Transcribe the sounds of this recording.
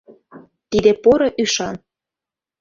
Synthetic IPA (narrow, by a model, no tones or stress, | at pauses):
t̪id̪epoɾoʔyʃɑn